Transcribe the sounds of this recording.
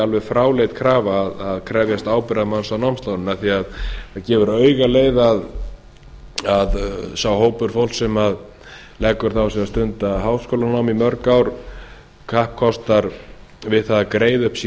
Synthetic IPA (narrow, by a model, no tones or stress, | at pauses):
alvɛfɾaːwlejt̪kʰɾaːvaːðaðkʰɾɛːvjɛst̪aːwpɪɾaðmansawnawmst̪awnɪnaθiaðaðcɛːvʏɾœːɥɣaleːjðað | aðsawhoːwpʏɾ̥fowlsɛmað | lɛkːʏɾ̥θawsɛmast̪ʏnt̪aɦaːwskoːlanawmimœɾkawɾ | kʰahp̚kʰɔst̪aɾvɪðθaðakɾeːjðʏhpsiː